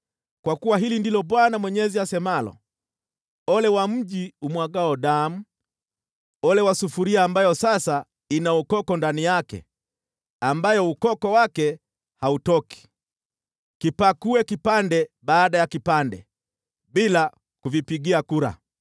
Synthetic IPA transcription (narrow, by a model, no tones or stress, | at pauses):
kwakuwaɦilindilɔɓwanamwɛɲɛziasɛmalɔ̰ | ɔlɛwam̩ʄiumwaɡaɔɗam̩ | ɔlɛwasufuɾiaːmbajɔsasa | inaukɔkɔndanijakɛ̰ | ambajɔukɔkɔwakɛ | hautɔki̥ | kipakuɛkipandɛɓaːɗajakipandɛ̰ | ɓila | kuvipiɡiakuɾa̰